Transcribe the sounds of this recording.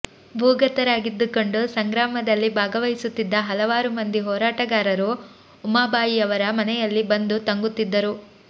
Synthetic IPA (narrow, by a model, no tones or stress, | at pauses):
bʱuːɡɐt̪ɐɾaːɡid̪ːukoɳɖusɐŋɡɾaːmɐd̪ɐlːibʱaːɡɐʋɐjisut̪ːid̪ːɐɦɐlɐʋaːɾumɐnd̪iɦɔːɾaːʈɐɡaːɾɐɾuː | maːbaːjiɐʋɐɾɐmɐnɛjɐlːibɐnd̪ut̪ɐŋɡut̪ːid̪ːɐɾu